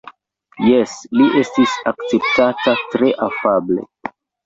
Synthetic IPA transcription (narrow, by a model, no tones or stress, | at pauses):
jesliʔe̞stisakt͡se̞p̚tatatɾe̞ʔafable̞̰